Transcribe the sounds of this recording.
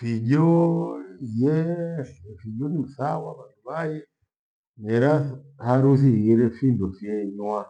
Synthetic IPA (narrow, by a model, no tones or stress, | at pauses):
fiɟɔ | jɛ | fid͡ʒɔnim̩sawaβanduβajɛ | nɛɾahaɾuθ̬iiɾɛfindɔfiɛɲwa